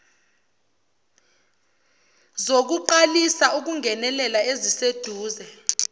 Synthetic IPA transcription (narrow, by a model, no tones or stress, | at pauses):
zok̬uǃalisauk̬uŋʱɛnɛlɛlaezised̥ʱuːzɛ